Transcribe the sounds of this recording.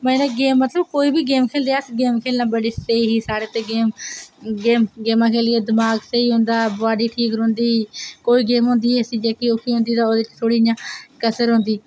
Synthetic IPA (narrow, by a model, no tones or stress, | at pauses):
mɛ̃ːnaːɡeːmːət̪ləbkoːiːbiːɡeːmkʰeːld̪eɛːəsɡeːmkʰeːlnãːbəɽiːseiɦiːsaːɽeːt̪eːɡeːmɡeːmɡeːmãːkʰeːlɪeːd̪ɪmaːɡsəiːɦʊ̃ːnd̪aːbʋaːɖiːʈʰiːkɾõːnd̪iːkoːiːɡeːmɦʊ̃ːnd̪iːɦɛːsiːd͡ʒeːkiokʰiːɦõːnd̪iːt̪ãːoːd̪ɪt͡ʃt̪ʰoːɽiːjãːkəsəɾɦõːnd̪iː